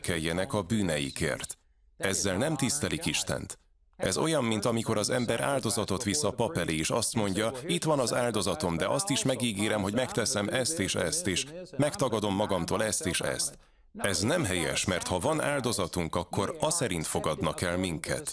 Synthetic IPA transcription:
kɛjːɛnɛkɒbyːnɛjḭkḛːrt̪ | ɛzːɛlnɛmt̪ist̪ɛlikiʃt̪ɛ̰nt̪ | ɛzo̞jɒmːint̪ɒmiko̞ɾɒzɛmbɛɾʔa̰ːld̪o̞zɒt̪o̞t̪ʋisɒpɒpɛlʔeːiːʃɒst̪mo̞ɲɟɒit̪ʋɒnɒzaːld̪o̞zɒt̪o̞md̪ɛʔɒst̪iʃmɛɡiːɡeːɾɛmɦoɟmɛkt̪ɛsɛmɛst̪eːʃɛst̪eːʃmɛkt̪ɒɡɒd̪o̞mːɒɡɒmt̪oːlɛst̪eːʃɛ̰st̪ | ɛznɛmɦɛjɛ̰ʃmɛrt̪hɒvɒna̰ːld̪o̞zɒt̪uŋkɒkːo̞ɾɒsɛɾint̪fo̞ɡɒd̪nɒkɛlmiŋkʰɛ̰t̪

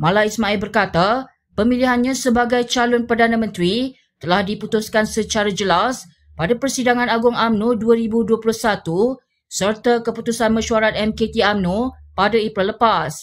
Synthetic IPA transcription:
mãlaismãɛlbərkat̪a | pəmiliɦanɲãsəbaɡajt͡ʃalʊnpərdanãmə̃nt̪ɾi | t̪əlahdiput̪uskansət͡ʃaɾad͡ʒəlas | padapərsidaŋãnaɡʊŋamnũduaɾibuduaplʊhsat̪u | sərt̪akəput̪usanmə̃ʃuaɾat̪̚ɛmket̪iamnũpadaepɾɛlːəpas

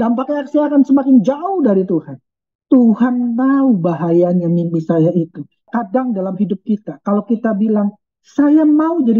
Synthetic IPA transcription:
dampakaaksajakansəmakɪŋd͡ʒaʊhdaɾit̪uhan | t̪uhanmaubaɦajanjamimpisajait̪u | kadaŋdalamhidʊp̚kit̪akalawkit̪abilaŋ | sajamaud͡ʒadi

